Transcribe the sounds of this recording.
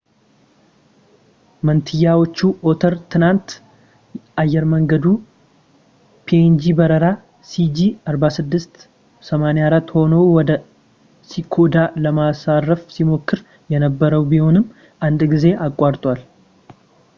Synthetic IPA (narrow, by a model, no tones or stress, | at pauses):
mənt̪ʰɨjːawo̞t͡ʃːuʔo̞t̪ʰəɾt̪ʰɨnant̪ | ʔajːɛɾməŋɡəd̪u | pʰend͡ʒibəɾəɾa | sid͡ʒiaɾbasɨd̪ːɨst̪ | səmanejaɾat̪ːho̞nəwwɔd̪ə | sikʰo̞d̪aləmasarːəfsimo̞kːɨɾ | jɛnəbːəɾəwbiho̞nɨmː | ʔand̪ɡize̞ʔakʼːaɾt̪ʼwal